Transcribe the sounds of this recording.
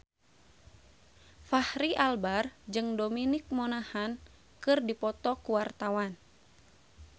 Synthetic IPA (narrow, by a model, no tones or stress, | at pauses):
fahɾiʔalbard͡ʒɨŋdominik̚monahan | kɨrdipɔt̪ɔkuwart̪awan